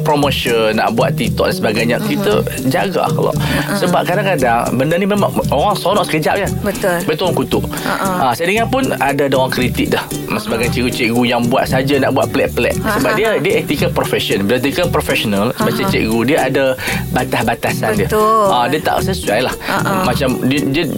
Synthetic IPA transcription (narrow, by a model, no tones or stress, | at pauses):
pɾomoʃənːa̰ʔbua̰t̪t̪it̪ɔʔ̚dansəbaɡajɲakit̪ə | d͡ʒaɡa̰a̰xlɔ̰ʔsəbap̚kadaŋkadaŋbəndənimemaŋoɣaŋsoɾɔʔsə̥kəd͡ʒa̰ʔ̚ɲabət̪ʊlbət̪uoaŋkut̪ʊʔ | ʔasajdəŋapʊnadadaoɣaŋkɾit̪ik̚dah | asəbaɡajt͡ʃɛʔɡut͡ʃɛk̚ɡujaŋbua̰t̪̚sad͡ʒanaʔbuaʔ̪̚plɛʔ̚pəlɛ̰ʔ̚səbap̚diədiəɛt̪ikəpɾofɛsənbədat̪ikəpɾofɛʃɔnəlsəbat͡ʃat͡ʃɛ̰ʔɡudiəadabat̪ahbat̪asandiəadiət̪a̰ʔsəsuajlahʔmat͡ʃamdiədiə